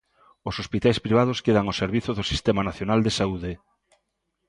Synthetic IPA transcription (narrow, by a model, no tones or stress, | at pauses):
ʊsospit̪ajspɾiβað̞ʊskeðaŋoseɾβ̞iθoðʊsi̥st̪ɛmanaθjonald̪esauðe